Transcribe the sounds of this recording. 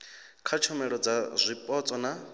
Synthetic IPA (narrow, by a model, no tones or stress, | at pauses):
kʰat͡ʃʰɔmɛɺɔd͡zazʷipʼɔt͡sʼɔna